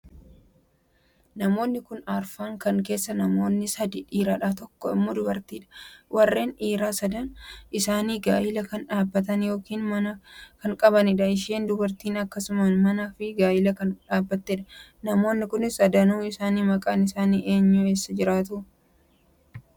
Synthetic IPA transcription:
nɐmo̞ːnːɪkʊnaːɾfaːŋkɐŋke̞ːsːɐnɐmo̞ːnːɪsɐd̪iᶑiːɾaːᶑaːt̪ɔkːɔɪ̰mːoːd̪ʊbɐɾt̪iːᶑɐ̥wʔɐrːe̞ːnᶑiːɾaːsɐd̪ɐnʔɪsaːniːɡaːʔɪlɐkɐnᶑaːbːɐt̪ɐnjo̞ːkiːnmɐnɐkɐŋkʼɐbɐnɪᶑɐɪʃ̬eːnd̪ʊbɐɾt̪iːnɐkːɐsʊmɐnmɐnaːfɪɡaːʔɪlɐkɐnᶑaːbːɐt̪ːeᶑɐ̥nɐmo̞ːnːɪkʊnɪsɐd̪ɐnuːɪsaːniːmɐkʼaːnɪsaːniːʔe̞ːɲːʊe̞ːsːɐd͡ʒɪɾaːt̪ʊ

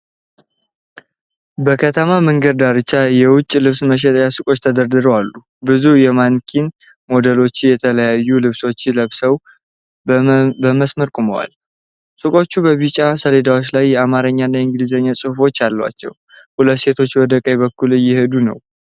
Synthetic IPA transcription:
bəkʰət̪ʰəmaməŋɡəd̪̚d̪aɾɨt͡ʃːajɛwʊt͡ʃʼːilɨβsməʃ̬ɛt̪ʼɾjasɨkʼo̞t͡ʃːt̪ʰəd̪əɾd̪ɨɾəwalːu | bɨzujɛmankʰin | mo̞d̪əlo̞t͡ʃːɪjɛt̪ʰələjajːulɨβso̞t͡ʃːləβsəw | bəməsməɾkʼuməwa̰l | sɨkʼo̞t͡ʃːubəβit͡ʃʼasəled̪awo̞t͡ʃːlajːɛamaɾəɲːanːaɨŋɡɨlizəɲːasʼɨhufo̞t͡ʃːalːəwa̰t͡ʃːɛ̰w | hulət̪ːse̞t̪ʰo̞t͡ʃːwɔd̪əkʼəjβəkːulɨjːɪhed̪unə̰w

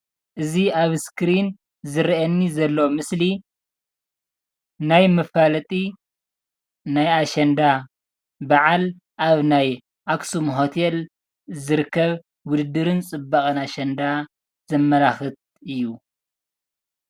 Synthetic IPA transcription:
ʔɨziaβskɨɾin | zɨɾiʔɐnːizɐlːomɨsli | najmɨfalɐt̪ʼi | najaʃɐnd̪a | baʕal | ʔaβnaj | ʔaksumɦo̞t̪ʰel | zɨɾɨkʰːɐβ | wʊd̪ɨd̪ɨɾɨnt͡sʼɨbːaχʼɨnaʃɐnd̪a | z̥ɐmːɐlaxɨt̪̚ | ɨjːu

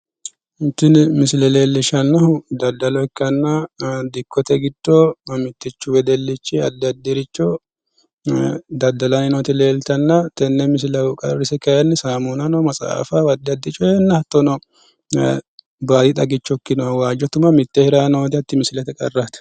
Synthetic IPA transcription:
hɪnt̪ːɪnmɪsɪlɛleːlːɪʃɐnːɐhʊd̪ɐd̪ːɐlɔɪkːɐnːɐd̪ɪkːɔt̪ɛɡɪd̪ːɔmɪt̪ːɪt͡ʃːʊwɛd̪ɛlːɪt͡ʃːɪɐd̪ːɐd̪ːɪɾɪt͡ʃːɔ | d̪ɐd̪ːɐlɐnɪnɔt̪ɪleːlt̪ɐnːɐt̪ɛnːɛmɪs̬lɐwʊkʼɐ̰rːɪsɛkɐjɛnːɪsaːmunɐnɔmɐsʼa̰ːfawɐd̪ːɪɐd̪ːɪt͡ʃʼɔɛnːɐhɐt̪ːɔnɔ | baːd̪ɪt̪ʼɐɡɪt͡ʃːɔkːɪnɔwɐwaːd͡ʒɔt̪ʊmɐmɪt̪ːɛhɪɾaːnowd̪ɪɐt̪ːɪmɪsɪlɛt̪ɛkʼɐ̰rːɐt̪

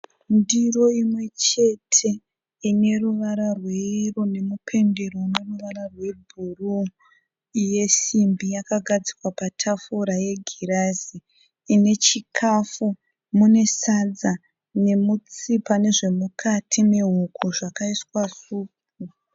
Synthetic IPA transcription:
ndiro̞imwe̞t͡ʃe̞tʰe̞ | ine̞ruʋaɾarweirone̞mupʰe̞nde̞ɾone̞ruʋaɾarwe̞bʱuru | ije̞simbijakaɡʱad͡zi̥kwapatʰafuɾaje̞ɡʱiɾaziː | ne̞t͡ʃikʰafu | mune̞sad͡za | ne̞mut͡sipane̞ʐe̞mukʰatʰime̞ɦukʰuʐakaiswasuːk̚ | u

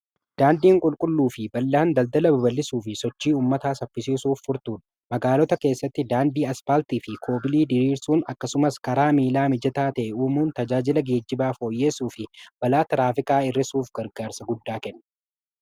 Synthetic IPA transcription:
d̪̥aːnd̪iːŋkʼʊlkʼʊlːuːfɪbɐlːaːnd̪ɐld̪ɐlɐbɐbɐlːɪsuːfɪsɔt͡ʃːiːuːmːɐt̪aːsɐpːɪsiːsuːfːʊɾt̪uːᶑɐ̥ | mɐɡaːlɔt̪ɐke̞ːsːɐt̪ːɪd̪aːnd̪iːɐspaːlt̪iːfɪkʰo̞ːbɪliːd̪ɪɾiːɾsuːnɐkːɐsʊmɐskɐɾaːmiːlaːmɪd͡ʒɐt̪aːt̪ɐʔɛuːmuːnt̪ɐd͡ʒaːd͡ʒɪlɐɡe̞ːd͡ʒːɪbaːfo̞ːjːe̞ːsuːfɪb̥ɐlaːt̪ɪɾaːfɪkʼaːɪrːɪsuːfɡɐɾɡaːɾsɐɡʊd̪ːaːkɛnːɐ̥

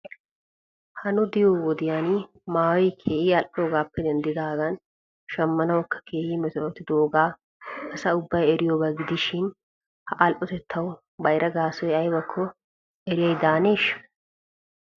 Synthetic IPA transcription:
hɐnʊd̪ɪjoːwɔd̪ɪjanɪ | maːwɛjkʰeːʔiːɐlʔoːɡaːpːɛd̪ɛnd̪ɪd̪aːɡɐn | ʃɐmːɐnɐwɔkːɐ̥kʰeːhiːmɛt̪ɔʔɔt̪ːɪd̪oːɡaː | ɐsɐʊbːɐjɛɾɪjoːbɐɡɪd̪ɪʃɪn | hɐʔɐlʔɔt̪ɛt̪ʰːɐw | bɐjɾʔɐɡaːsɔjɐjbɐkʰːɔ | ɛɾɪjɐjd̪aːneːʃ

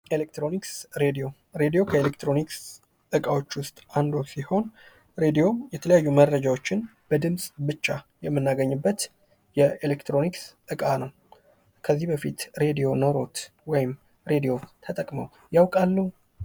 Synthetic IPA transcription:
elek̚t̪ɾo̞niksɾe̞d̪ijo̞ | ɾe̞d̪ijo̞kʰəelek̚t̪ɾo̞niks | ɨkʼawo̞t͡ʃːwʊst̪ʼand̪wɔsiho̞n | ɾe̞d̪ijo̞jɛt̪ʰələjajːumərːəd͡ʒawo̞t͡ʃːɪnb̥əd̪ɨmsʼbɨt͡ʃːajɛmːɨnːaɡəɲːɨbːət̪ | jɛelekt̪ɾo̞niksɨkʼanəw | kʰəzːihbəfit̪ɾe̞d̪ijo̞noɾo̞t̪wɔjɪm | ɾe̞d̪ijo̞t̪ʰət̪ʼəkʼməw | jawkʼalːu

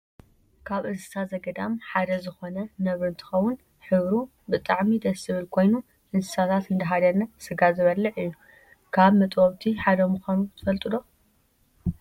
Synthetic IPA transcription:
kʰaβʔɨnsɨ̥sat̪zɐɡɐd̪amħad̪ɐzɨxo̞nɐnɐβɾɨnt̪ʰɨ̥xɐwːʊn | ħɨβɾu | bɨt̪ʼaʕmid̪ɐsɨβɨlkʰo̞jnu | ʔɨnsɨ̥sat̪ʰat̪ɨnd̪ɐɦad̪ɐnːɐsɨɡazɨβɐlːɨʕɨjːu | kʰaβmɐt̪ʼwoβt̪ʰiħad̪ɐmuxʷanut̪ʰɨfɐlt̪ʼɨd̪o̞

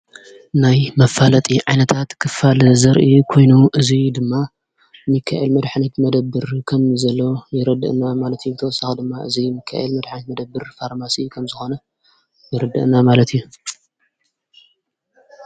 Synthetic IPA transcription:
najmɐfalɐt̪ʼiʕajnɐt̪ʰat̪kʰɨfalzɐɾʔikʰo̞jnuʔɨzid̪ɨmːa | mɨkʰːa̰ʔelmɐd̪ħnɐt̪mɐd̪ɐbːɨɾkʰɐmzɐlːojɪɾɐd̪ɨ̰ʔnamalɐt̪jubɨt̪ʰɐwsaxɐd̪ɨmːaʔɨzimɨkʰːa̰ʔelmɐd̪ħnɐt̪mɐd̪ɐbːɨɾfaɾmasikʰɐmzɨxo̞nɐ | jɪɾɐd̪ɐ̰ʔnamalɐt̪ʰijːu

